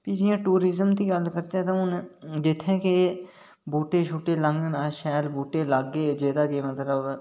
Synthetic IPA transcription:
piːd͡ʒɪãːʈuːɾɪzəmt̪iːɡəlkəɾt̪ɛːt̪ãːʊnd͡ʒɪt̪ʰːẽːke | buːʈeːʃʰuʈːeːləŋɡənəʃɛːlbuːʈeːləɡeːd͡ʒeːd̪aːkemət̪ləb

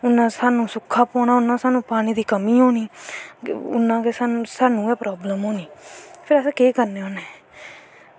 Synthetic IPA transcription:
ʊnːãːsaːnũːsʊkʰːaːpɔːnaːʊnːãːsaːnũːpaːñiːd̪iːkəmiːɦoːniː | ʊ̰nːãːkesaːnːsaːnũːɛːpɾɔːbləmɦoːniːpʰɪɾəsãːkeːkəɾneːɦoːneː

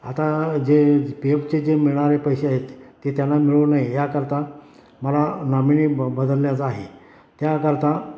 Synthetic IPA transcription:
at̪ad͡ʑepiept͡sed͡zemiɭɳaɾepəjɕeaɦet̪ːet̪janːamiɭunaɦijakəɾt̪ã | məlanaminibəd̪əlːjat͡saɦe | t̪jakəɾt̪a

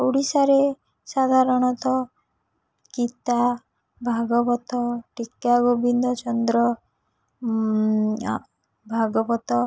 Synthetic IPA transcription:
ɔwɽisaɾe | sad̪ʱaɾɔɽ̃ɔt̪ɔ | kit̪a | bʱaɡɔbɔt̪ɔʈikaɡobind̪ɔt͡ʃɔnd̪ɾɔ | bʱaɡɔbɔt̪ɔ

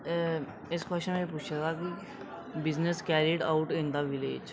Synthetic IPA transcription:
ɪskwəst͡ʃənmẽpuːt͡ʃʰat̪aːki | bɪzneskɛːɾiʈa̰ʊʈɪ̃nd̪aʋɪlḛːd͡ʒ

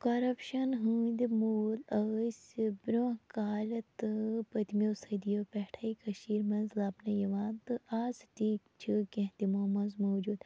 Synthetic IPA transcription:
kɐɾɐpʃɐnɦuːnʲd̪ʲimuːlɐsʲbɾʲoɦkaːlʲɐt̪ɨpɐt̪mʲjoːsɐd̪ijoːpɛhʈʰaːikɐʃiːɾmɐnzlaːpnɐjɐʋaːnt̪ɨʔaːzʈiːkt͡ʃʰikẽɦt̪imoːmɐnzmoːd͡ʒuːd̪

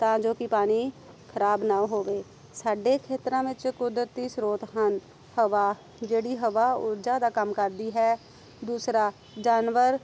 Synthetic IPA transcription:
t̪ãːd͡ʒoːkɪpaːɽ̃iː | kʰəɾaːbnãːɦoːʋeː | saːɖeːkʰeːt̪ɾãːʋɪt͡ʃkʊd̪ɾət̪ːiːsɾoːt̪ɦən | həʋaː | d͡ʒeːɽiːɦəʋaːʊɾd͡ʒaːd̪aːkəmkəɾd̪iːɦɛː | d̪uːsɾaː | d͡ʒaːnʋəɾ

